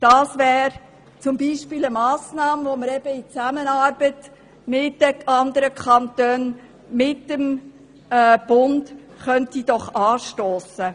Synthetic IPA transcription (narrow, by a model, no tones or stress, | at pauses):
d̥ɑːsʋæːɾ | t͡sʊmbiːʃpɪləmɑːsnɑːmʋɔməɾɛb̥əit͡sæmənɑːɾb̥ət | mɪtːəɑnd̪əɾəkʰχɑntøːn | mɪtːəmː | b̥ʊnd | χœntid̥ɔχɑːʃtoːsə